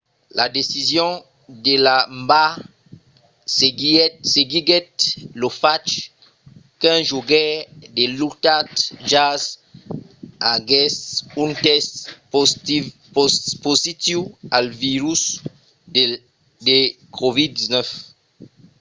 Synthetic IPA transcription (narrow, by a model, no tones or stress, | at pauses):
lad̪esizjɔ̃ | d̪elamba | seɡiɡɛt̪lofat͡ʃ | kɛ̃ʒoɡɛd̪elut̪at̪ʒaz | aɡɛsỹnt̪ɛst | pozit̪iwalviɾys | d̪e | kʰovid̪iznɛf